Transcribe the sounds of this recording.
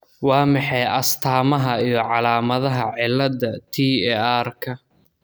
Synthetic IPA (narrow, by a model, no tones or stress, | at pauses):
wɑːmɑħɛjʔɐst̪ʰaːmɐɦɐijɞʕɑlaːmɐðɐɦɐʕɪlːɐd̪ɐt̪ʰiːɛaːrkʰɐ